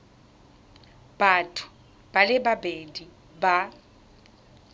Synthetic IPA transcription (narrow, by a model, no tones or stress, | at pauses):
b̥atʰʊ̥ | b̥alɪbabedi | ba